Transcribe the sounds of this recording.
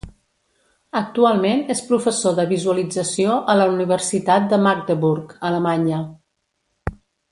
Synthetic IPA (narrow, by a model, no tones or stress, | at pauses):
ək̚t̪ualˠmenespɾufəsoðəβizuəlid͡zəsioʔələuniβ̞əɾsit̪at̪̚d̪əmaɡ̚d̪əβuɾkələmaɲə